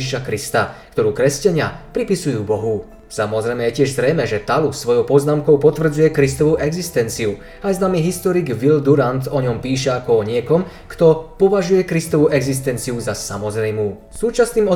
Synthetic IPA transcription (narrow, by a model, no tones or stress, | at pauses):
iʃakɾist̪akt̪ɔɾuːkɾɛscaɲɪapɾipisujuːbɔɦu | samɔzɾɛjmɛjɛcɪɛʒzɾɛjmɛʒɛt̪alusʋɔjɔʊpɔznaːmkɔʊpɔt̪ʋr̩d͡zujɛkɾist̪ɔʋuʔɛɡzist̪ɛnt͡siu | ajznamiɦist̪ɔɾiɡʋild̪uɾant̪ɔɲɔmpiːʃ̬ɛakɔɔɲɪɛkɔm | kt̪ɔpɔʋaʒujɛkɾist̪ɔʋuʔɛɡzis̬t̪ɛnt͡siuzasamɔzɾɛjmuː | suːt͡ʃasniːmɔ